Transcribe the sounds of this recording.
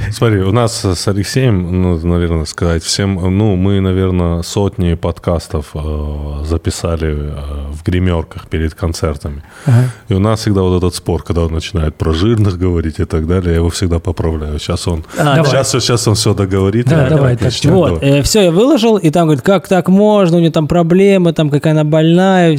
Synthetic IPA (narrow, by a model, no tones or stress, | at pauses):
smɐt̪ɾiʊnassɐlʲɪksʲejəmnanɐvʲe̞rnəskɐzatʲfsʲe̞mnumɨnɐvʲe̞rnəso̞tʲnʲɪpɐt̪kast̪əfəzəpʲɪsalʲɪəvɡɾʲɪmʲo̞rkəxpʲɪɾʲɪd̪kɐnt̪sɛrt̪əmʲɪ | iʊnassʲɪɡ̚d̪avo̞t̪ɛt̪ət̪spo̞rkɐɡd̪aonːət͡ɕɪnajɪt̪̚pɾɐʐɨrnɨxɡəvɐɾʲitʲɪt̪ɐɡd̪alʲɪjajɪvo̞fsʲɪɡd̪apəpɾɐvlʲæjʊɕaso̞naʃasoɕaso̞nfsʲod̪əɡəvɐɾʲit̪d̪d̪ɐvajt̪avot̪əfsʲojavɨlˠəʐɨlˠit̪amɡəʋəɾʲit̪kakt̪akmo̞ʐnəʊnʲot̪ampɾɐblʲemət̪amkɐkajənabɐlʲnajə